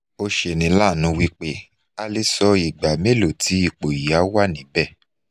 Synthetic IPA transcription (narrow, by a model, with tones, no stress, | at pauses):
o˧ʃe˧˨nĩ˨˧˦la˦˨nũ˨˧˦wi˦k͡pe˦ | a˧le˦sɔ˧i˨ɡ͡ba˨me˦lo˨tʰi˨˦i˦˨k͡po˨ji˨a˨˦wa˦˨nĩ˨˦bɛ˦˨